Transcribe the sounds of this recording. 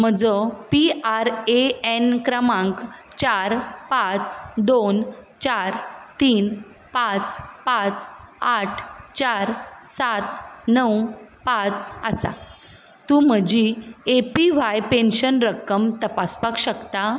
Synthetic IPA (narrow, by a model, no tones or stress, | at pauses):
m̤əd͡zəpiaɾeenkɾəmãŋk | t͡ɕaɾpãt͡sd̪ont͡ɕaɾt̪iːn | pãt͡spãt͡saʈʰt͡ɕaɾsat̪nəwpãt͡səsa̰ | t̪um̤əd͡ʑiepiʋ̤ajpenɕənɾəkːəmt̪əpaspakɕəkt̪a